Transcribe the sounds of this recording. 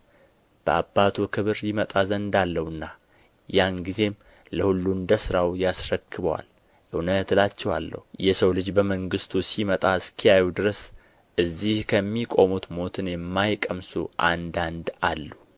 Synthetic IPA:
b̥əabːat̪ʰukʰɨβɨɾjɪmət̪ʼazənd̪alːəhɨnːa | janɡize̞m | ləhulːund̪əsɨɾawjasɾəkʰːɨβəwa̰l | jəunət̪ɨlat͡ʃːɛwa̰lːə̰hujɛsəwlɨd͡ʒbəməŋɡɨst̪ʰusimət̪ʼaɨskʰijajud̪ɨɾəs | ʔɨzːihkʰəmːikʼo̞mut̪mo̞t̪ʰɨnjɛmːajkʼəmsṵʔand̪and̪alːu

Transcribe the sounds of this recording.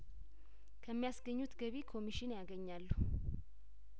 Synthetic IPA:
kʰəmːijasɡəɲːut̪ɡəβikʰo̞miʃɪnjaɡəɲːalːu

